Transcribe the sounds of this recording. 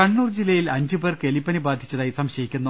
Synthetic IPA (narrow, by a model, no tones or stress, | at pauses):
kɐɳːuːrd͡ʑilːɐjilɐɲd͡ʑɨberkɨelipːɐnibaːd̪ʱit͡ɕːɐðaːjisɐmɕɐjikʲːunːu